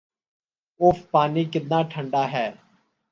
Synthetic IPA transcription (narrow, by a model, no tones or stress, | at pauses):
ʊfpaːniːkɪd̪nãːʈʰəɳɖaːɦɛː